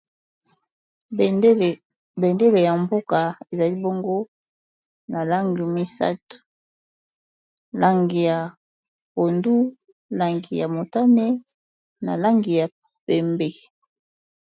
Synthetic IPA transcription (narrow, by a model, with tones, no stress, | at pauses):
be˨nde˦le˨ja˨mbo˦ka˨e˨za˨li˦bo˦ŋɡo˦ | na˨la˦ŋɡi˨mi˦sa̰˦tu̥˨ | la˦ŋɡi˨ja˨ | po˨ndu˦ | la˨ŋɡi˨ja˨mo˨ta˦ne˦ | na̰˨la˦ŋɡi˨ja˨ | pe˨mbe˦